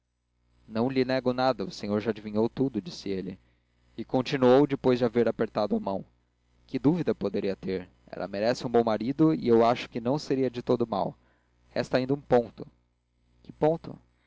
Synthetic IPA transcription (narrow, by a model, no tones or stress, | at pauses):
nɐ̃w̃lɪnɛɡʊnad̪ɐʊsẽɲoɾʒad͡ʒivĩɲowt̪ud̪ʊd͡ʒisɪelɪ̰ | ɪkõnt͡ʃinuowd͡ʒɪpojzd͡ʒɪaveɾapeɾt̪ad̪ʊamɐ̃w̃ | kɪd̪uvid̪ɐpod̪eɾiɐt̪eɾ | ɛ̰lʔɐ̰meɾɛsɪũbõw̃maɾid̪ʊiewaʃʊ̥kɪnɐ̃w̃seɾiɐd͡ʒɪt̪od̪ʊma̰w | hɛ̰st̪aĩnd̪ɐũpõt̪ʊ̥ | kɪpõt̪ʊ̰